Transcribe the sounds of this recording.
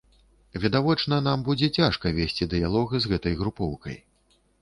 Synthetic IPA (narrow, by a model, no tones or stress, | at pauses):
vʲɛd̪avɔt͡ʂnɐn̪ambud͡zʲɛt͡sʲaʂkɐvʲesʲt͡sʲid̪ɨjalˠɔɣɨzɣɛt̪ɐjɣɾupɔwkɐ̰j